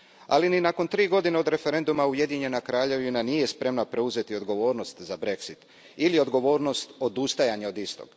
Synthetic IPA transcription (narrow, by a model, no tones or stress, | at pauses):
a̰lininako̞nt̪ɾiːɡo̞d̪ineo̞d̪ɾe̞fe̞ɾe̞nd̪umauje̞d̪iɲe̞nakɾaːʎe̞ʋinanije̞spɾe̞mnapɾe̞uze̞t̪io̞d̪ɡo̞ʋo̞ːɾno̞st̪zabɾe̞ksit̪ | ilio̞d̪ɡo̞ʋo̞ːɾno̞st̪o̞d̪ust̪ajaɲeo̞d̪ist̪o̞̰ɡ̥